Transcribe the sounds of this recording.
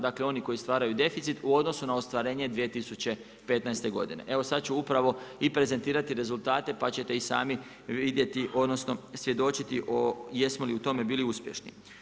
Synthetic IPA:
d̪aːkle̞o̞niko̞jist̪ʋaːɾajud̪e̞fit̪sit̪uo̞d̪no̞sunaost̪ʋaɾe̞ːɲe̞d̪ʋie̞t̪isut͡ɕe̞ | pe̞t̪najst̪e̞ɡo̞̰d̪ḭne̞̰ʔe̞ʋo̞sat̪̚t͡ɕuupɾaʋo̞ipɾe̞ze̞nt̪iːɾat̪iɾe̞zulˠt̪aːt̪e̞pat͡ɕe̞t̪e̞isa̰ːmi | ʋid̪je̞t̪iʔo̞d̪no̞sno̞sʋje̞d̪o̞t͡ɕit̪iʔojesmoliut̪o̞me̞biːliuspje̞ʃnḭ

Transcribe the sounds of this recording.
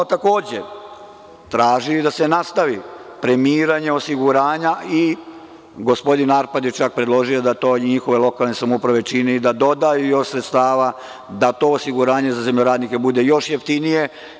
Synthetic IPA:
ot̪ako̞ːd͡ʑḛ | t̪ɾaːʒid̪ase̞nast̪aʋipɾe̞miːɾaɲe̞osiɡuɾaːɲai | ɡo̞spo̞d̪inaɾpad̪jet͡ʃak̚pɾed̪lˠo̞ʒio̞d̪at̪o̞ːɲixo̞ʋe̞lo̞kalˠne̞samoupɾaʋe̞t͡ʃineid̪ad̪o̞d̪ajujo̞ʃsɾet̪st̪aːʋa | d̪at̪o̞osiɡuɾaːɲe̞zazemʎoɾaːd̪nike̞bud̪e̞jo̞ʃjeft̪inije̞

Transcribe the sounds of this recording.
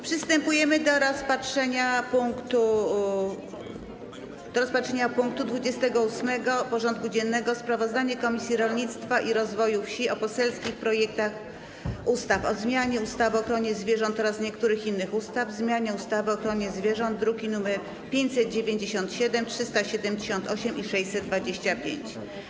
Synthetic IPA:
pʂɘst̪ɛmpujɛmɘd̪ɔɾɔspatʂɛɲapuŋkt̪u | d̪ɔɾɔspatʂɛɲapuŋk̚t̪ud̪vud͡ʑɛst̪ɛɡɔusmɛɡɔpɔʐɔnt̪̚kud͡ʑɛnːɛɡɔspɾavɔzd̪aɲɛkɔmʲisʲjiɾɔlɲit̪st̪faʔiɾɔzvɔjufɕiɔpɔsɛlskʲixpɾɔjɛkt̪ax | ust̪afɔzmʲjaɲɛust̪avɘɔxɾɔɲɛzvʲjɛʐɔ̃nt̪ːɔɾasɲɛkt̪uɾɘxinːɘxust̪avzmʲjaɲɛust̪avɘɔxɾɔɲɛzvʲjɛʐɔnd̪ːɾukʲinumɛɾ | pʲjeɲt͡ɕʲsɛd̪̚d͡ʑevʲeɲd͡ʑeɕɔnt̪ɕɛd̪ɛmtʂɘst̪aɕɛd̪ɛmʲd͡ʑeɕɔ̃nt̪ɔɕɛmʔiʂɛjsɛd̪̚d̪vad͡ʑeɕt͡ɕapʲjḛɲt͡ɕ

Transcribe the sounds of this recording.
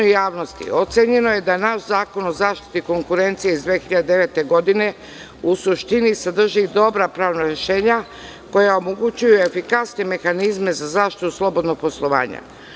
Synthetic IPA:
jaːʋno̞st̪ḭo̞t̪seɲe̞no̞je̞d̪anaʃzaːko̞no̞zaːʃt̪i̥t̪iko̞ŋkuɾe̞nt̪sijeizd̪ʋeːxiʎad̪ed̪e̞ʋe̞t̪eɡo̞d̪ine̞ | usuʃt̪inisad̪r̩ʒid̪o̞bɾapɾaːʋnaɾe̞ʃe̞ːɲa | ko̞jaomoɡut͡ɕujue̞fikasneme̞xanizme̞zazaːʃt̪it̪uslˠo̞bo̞d̪no̞ɡ̚po̞slˠo̞ʋa̰ːɲa̰

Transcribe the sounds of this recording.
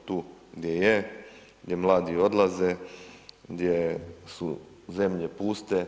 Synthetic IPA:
t̪uːɡd̪jeje | ɡd̪jemlˠaːd̪io̞d̪lˠaze | ɡd̪jesṵ | ze̞mʎepuːst̪e

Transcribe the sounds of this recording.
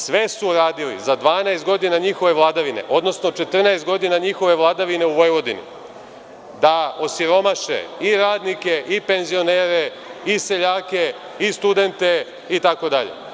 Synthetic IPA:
sʋe̞suɾaːd̪ilḭzad̪ʋaːnaest̪ɡo̞d̪inaɲixo̞ʋe̞ʋlˠad̪aʋine̞̰ʔo̞d̪no̞sno̞t͡ʃe̞t̪r̩naest̪ɡo̞d̪inaɲixo̞ʋe̞ʋlˠad̪aʋine̞uʋo̞jʋo̞d̪inḭ | d̪ao̞siɾo̞maʃḛiɾaːd̪nike̞ʔipe̞nzio̞neːɾe̞ | ise̞ʎaːke̞ | ist̪ud̪e̞nt̪e̞ | it̪ako̞d̪aʎḛ

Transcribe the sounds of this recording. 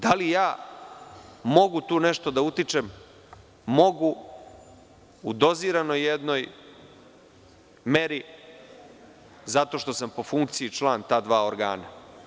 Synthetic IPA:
d̪alijaː | mo̞ɡut̪uːneʃt̪od̪aut̪it͡ʂem | mo̞ɡu | d̪o̞ziɾano̞jːed̪no̞j | me̞ɾi | zat̪o̞ʃt̪o̞sampo̞fuŋkt̪siit͡ʃlˠaːnt̪aːd̪ʋaːoɾɡa̰ːna

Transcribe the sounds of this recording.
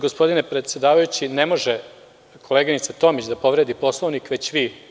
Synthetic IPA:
ɡospo̞d̪inepɾet̪sjed̪aːʋajut͡ɕinemo̞ʒe | kʰo̞leɡinit̪sat̪o̞mit͡ɕd̪apo̞ʋɾed̪ipo̞slˠoʋnikʋe̞t͡ɕʋi

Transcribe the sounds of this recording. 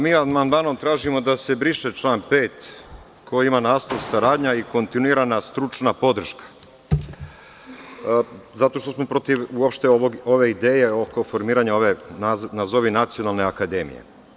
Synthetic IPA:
miːad̪mand̪mano̞mt̪ɾaːʒimo̞d̪ase̞bɾiʃet͡ʃlˠaːnpeːt̪ | kʰojimanaːst̪oʋsaɾaːd̪ɲaiko̞nt̪inuiɾanast̪ɾut͡ʃnapo̞d̪r̩ʃkḁ | zat̪o̞ʃt̪o̞smo̞pɾo̞t̪iʋuopʃt̪eoo̞ʋe̞id̪eːje̞oko̞fo̞ɾmiːɾaɲeoʋenanazo̞ʋinat̪sio̞nalˠne̞akad̪e̞mḭjḛ

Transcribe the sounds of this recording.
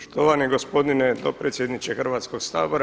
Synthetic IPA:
ʃt̪oʋaniɡospo̞d̪ined̪opɾet̪sjed̪nit͡ʃexrʋaːt̪skoɡsaːboɾa

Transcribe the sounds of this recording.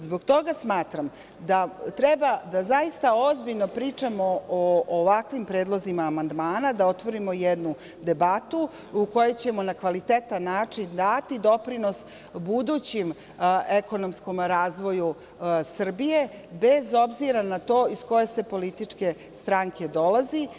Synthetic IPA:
zbo̞ɡt̪o̞ɡasmaːt̪ɾam | d̪at̪ɾɛbad̪azaist̪aozbiʎno̞pɾit͡ʂamo̞oːʋakʋimpɾeːd̪lˠo̞zimaːmand̪maːnad̪ao̞t̪ʋo̞ɾimo̞jɛd̪nu | d̪e̞bat̪u | uko̞jet͡ɕemo̞nakʋalit̪et̪anːaːt͡ʂind̪at̪id̪o̞pɾino̞s | bud̪uːt͡ɕim | eko̞no̞msko̞mɾaːzʋo̞ju | sr̩bije̞be̞zo̞bziɾanat̪o̞ːisko̞jese̞po̞lit̪it͡ʂke̞ | st̪ɾaŋkʰe̞d̪o̞lˠazi

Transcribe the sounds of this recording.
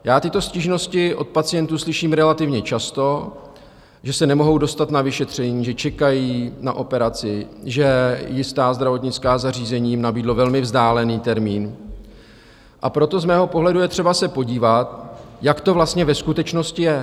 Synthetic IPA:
jaːt̪ɪt̪o̞sciʒno̞scɪʔo̞t̪̚pat͡sɪjɛnt̪uːslɪʃiːmɾɛlat̪ɪvɲɛt͡ʃast̪o̞ | ʒɛsɛnɛmo̞ɦo̞wdo̞st̪at̪navɪʃɛt̪r̝̥ɛɲiːʒɛt͡ʃɛkajiːnaʔo̞pɛɾat͡sɪʒɛjɪst̪aːzd̪ɾavo̞t̪ɲɪt͡skaːzar̝iːzɛɲiːjmnabiːdlo̞vɛlmɪvzdaːlɛniːt̪ɛɾmiːn | ʔapɾo̞t̪o̞zmɛːɦo̞po̞ɦlɛdujɛt̪r̥ɛbasɛpo̞ɟiːvat̪jakt̪o̞vlast̪ɲɛvɛskut̪ɛt͡ʃno̞scɪjɛ

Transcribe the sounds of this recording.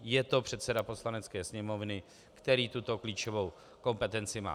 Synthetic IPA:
jɛt̪o̞pr̥ɛt̪sɛdapo̞slanɛt͡skɛːsɲɛmo̞vnɪ | kt̪ɛɾiːt̪ut̪o̞kliːt͡ʃovo̞w | ko̞mpɛt̪ɛnt͡sɪma̰ː

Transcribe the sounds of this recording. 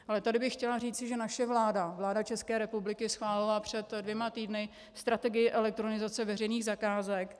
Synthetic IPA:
ʔalɛt̪adɪbɪxːcɛlariːt͡sɪʒɛnaʃɛvlaːdavlaːdat͡ʃɛskɛːɾɛpublɪkɪsxvaːlɪlapr̝̥ɛt̪dvjɛmat̪iːdnɪ | st̪ɾat̪ɛɡɪjɪʔɛlɛk̚t̪ɾonɪzat͡sɛvɛrɛjniːɣzakaːzɛk

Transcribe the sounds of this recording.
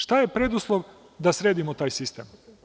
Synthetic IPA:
ʃt̪aje̞pɾed̪uslˠoʋ | d̪asɾeːd̪imot̪aːjsist̪em

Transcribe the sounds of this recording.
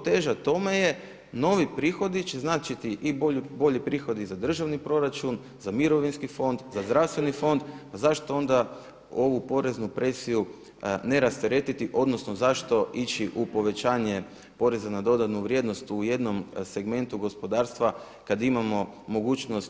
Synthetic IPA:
t̪eːʒat̪o̞me̞je̞ | no̞ʋipɾiːxo̞d̪it͡ʃe̞znaːt͡ʃit̪iʔibobo̞ʎipɾiːxo̞d̪izad̪r̩ʒaʋnipɾo̞ɾat͡ʃun | zamiɾo̞ʋinskifo̞nd̪zazd̪ɾaʋst̪ʋe̞nifo̞nd̪pazaʃt̪o̞o̞nd̪a | o̞ʋupo̞ɾe̞znupɾe̞siju | ne̞ɾast̪eɾe̞t̪it̪iʔo̞d̪no̞sno̞zaʃt̪o̞ʔit͡ʃiʔupo̞ʋe̞t͡ʃaːɲe̞ | po̞ɾe̞zanad̪o̞d̪at̪nuʋɾʲje̞d̪no̞st̪uje̞d̪no̞mse̞ɡme̞nt̪uɡo̞spo̞d̪aːɾst̪ʋa | kad̪imamo̞ | mo̞ɡuːt͡ʃno̞st̪

